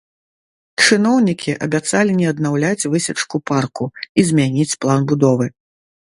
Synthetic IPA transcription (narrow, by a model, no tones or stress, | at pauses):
t͡ʂɨnɔwnʲikʲʰiʔɐbʲat̪salʲinʲɛɐd̪̚nawlʲat͡sʲvɨsʲɐt͡ʂkuparkuizʲmʲanʲit͡sʲplˠanbud̪ɔvɨ